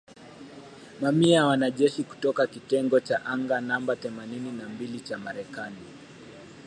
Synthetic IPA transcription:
mamiawanaʄɛʃiku̥tɔkakitɛŋɡɔt͡ʃaʔaŋɡanambaθɛmanininambilit͡ʃamaɾɛkani

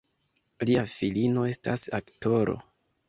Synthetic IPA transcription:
liafilino̞e̞sta̰sakto̞ɾo̞̰

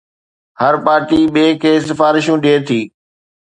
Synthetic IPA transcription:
hɐɾpaːɾʈiːɓeːkʰeːsɪfaːɾɪʃũɗeːt̪ʰiː

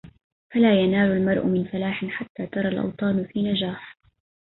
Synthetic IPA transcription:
falaːjanaːlʊlmɑɾˤʔʊ̰mɪnfalaːħɪħat̪ːaːt̪ɑɾˤɑlʔɑ̰wt̪ˤɑːnʊfiːnad͡ʒaːħ

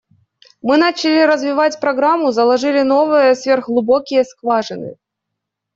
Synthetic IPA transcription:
mɨnat͡ɕɪlʲɪɾəzvʲɪvatʲpɾɐɡɾamːʊzəlˠɐʐɨlʲɪno̞vɨjəsvʲe̞rɣɡlˠʊbo̞kʲɪjəskvaʐɨnɨ̰

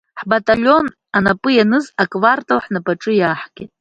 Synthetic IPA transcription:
ħbatʼalʲo̞n | anapʼɨjanɨzakʼvartʰʼolħnapʼaʈ͡ʂʼɨjaːħɡ̥ʲɪtʼ

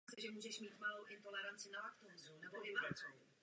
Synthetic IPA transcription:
sɪʒɛmuːʒɛʃmiːt̪malo̞wʔɪnt̪o̞lɛɾant͡sɪnalakt̪owzunɛboʔɪma

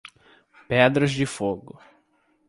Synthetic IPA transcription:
pɛd̪ɾɐzd͡ʒɪfoɡʊ

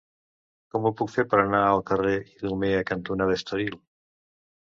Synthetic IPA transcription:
komupukfeɾpaɾanaalˠkareiðumeakant̪unaðest̪oɾil

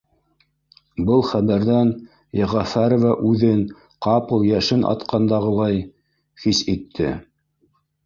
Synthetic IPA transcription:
bɤlˠχæβæɾðæn | jɑʁɑfæɾovaʔʉðɘn | qɑpɤlˠjæʃɘnʔɑ̰t̪qɑnd̪ɑʁɤ̆lˠɑj | χisit̪ʰːɘ̰

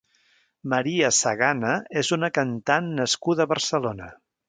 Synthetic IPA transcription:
məɾiəsəɣanəezunəkənt̪anːəskuðəβərsəlonə

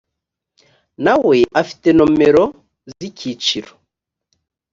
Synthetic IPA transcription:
naweʔafi̥tenomeɾo | zicʰit͡ʃiɾo

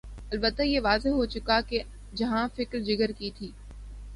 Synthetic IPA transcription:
ɐlbət̪ːajeʋaːzeɦot͡ʃʊkake | d͡ʒɐɦãfɪkɾd͡ʒɪɡəɾkit̪ʰiː

